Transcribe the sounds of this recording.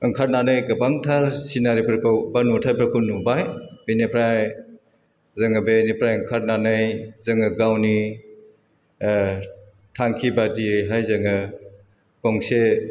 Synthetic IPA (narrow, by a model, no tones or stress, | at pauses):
ɐŋkʰaɾ̚nanɯjɡɐbaŋtʰaɾsinaɾipʰɾkʰɐwbanutʰaɾpʰɾɐkʰownubajbenepʰɾaj | zɐŋɐbenipʰɾajɐŋkʰaɾ̚nanɐjzɐŋɯɡawni | tʰaŋkʰibadiɦajzɐŋɯ | kɔŋse